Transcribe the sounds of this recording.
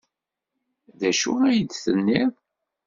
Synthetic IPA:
ðæʃʊ̰ɾæjəd̪θə̰nːɪɾ

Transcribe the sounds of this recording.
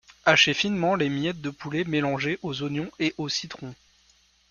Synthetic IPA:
aʃefinmɑ̃lemiɛt̪̚d̪əpʰulemelɑ̃ʒeʔozɔnjɔ̃eʔosit̪χɔ̃

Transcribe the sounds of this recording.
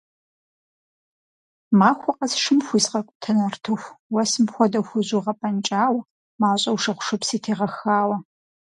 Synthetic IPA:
maːxʷʊqʼɐsʂɨmxʷizʁɐkʷʼtʰɐnɐrtʰɨxʷwɐsɨmxʷɔdɐxʷʊʑuʁɐpʼɐnt͡ʃʼaːw | maːɕʼɐwʂɐχʷʊ̥ʂɨpsiːtʰeːʁɐxaːwɐ

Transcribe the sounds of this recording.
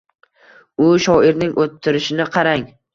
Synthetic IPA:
ʊʃɒɪɾnɪŋʔot̪ʰːɪɾɪʃɪnɪqʰɑɾaŋ

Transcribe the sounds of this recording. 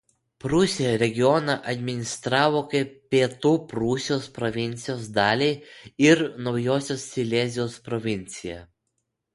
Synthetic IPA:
pɾusʲiɛɾʲɛɡʲɪɔnɐʔɐd̪ʲmʲɪnʲɪst̪ɾɑːʋɔkɐppʲːeɛt̪upɾusʲɪoːspɾɔʋʲɪnʲt̪sʲɪjoːsd̪ɑːlʲiɪɾnɔʊjoːsʲosːʲɪlʲɛzʲɪjoːspɾɔʋʲɪnʲt̪sʲɪjɛ

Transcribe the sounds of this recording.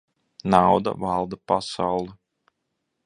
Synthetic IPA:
nawd̪a̰valˠd̪apasawlˠɛ

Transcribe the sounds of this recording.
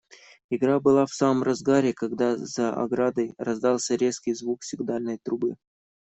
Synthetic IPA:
ɪɡɾabɨlˠafsaməmrɐzɡaɾʲɪkaɡd̪az̥aa̰ɡɾad̪əjrɐzd̪ɑlˠsʲaɾʲeskʲijzvuksʲɪɡd̪alʲnəjt̪ɾubɨ

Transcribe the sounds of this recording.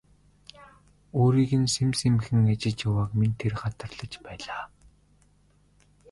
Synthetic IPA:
oːɾiːɣɘ̆nsemsemxɘ̆ŋat͡ɕɪ̆t͡ɕjawaːkmint̪ʰerχat̪ə̆rɮ̥ə̆t͡ɕpæːɮaː

